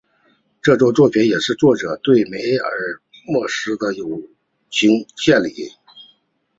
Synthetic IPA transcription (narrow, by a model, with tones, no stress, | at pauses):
ʈ͡ʂɤ˥˩t͡swɔ˥˧t͡swɔ˥˩pʰi˧˥njɛ˨˩ʂɻ̩˥˧t͡swɔ˥˩ʈ͡ʂɤ˨˩t̪we˥˩ɪme˧˥ɪə̰˞˧˥ | mwɔ˥˩ʂɻ̩˧˥d̪ə˨jo˨˩ʊ | t͡ɕʰi˧˥ŋɕjɛ˥˩nli˨˧˩